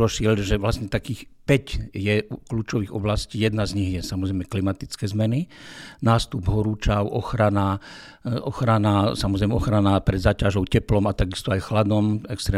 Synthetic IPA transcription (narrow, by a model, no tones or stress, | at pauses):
ɾɔʃɪɛʎʒɛʋlasɲɛt̪akiːxpɛcjɛukluːt͡ʃɔʋiːɣɔ̰blasciːjɛd̪nazɲiɣjɛsamɔzɾɛjmɛklimat̪it͡skɛːzmɛninaːst̪ubɦɔɾuːt͡ʃaʊʔɔxɾana | ʔɔxɾanasamɔzɾɛjmɛɔxɾanapɾɛd̪zaːcaʒɔʊcɛplɔmat̪aɡist̪ɔajxlad̪ɔmɛkst̪ɾɛː